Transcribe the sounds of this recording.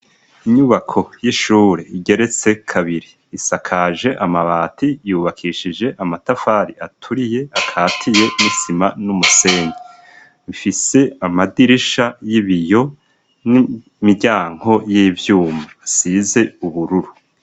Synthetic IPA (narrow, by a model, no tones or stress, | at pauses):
iɲuβakʰo̞jiʃuːɾeiɟe̞ɾe̞t͡se̞kʰaβiɾiːsakʰaːʒe̞ʔamaβaːtʰijuːβakʰiʃid͡ʒe̞ʔamatafaːɾiatʰuɾije̞akʰaːtʰije̞nisimanumuse̞ːɲi | mifise̞amadiɾiʃajiβijo̞ | ni | miɾɟaːŋ̥ho̞jiːvjuːmaːsize̞uβuɾuɾu